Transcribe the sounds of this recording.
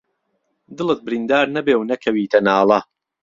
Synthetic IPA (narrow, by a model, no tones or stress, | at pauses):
d̪ɨlˠɨt̪̚bɪɾind̪aːɾnɐbeːwnɐkʰɐwiːt̪ʰɐnaːlˠɐ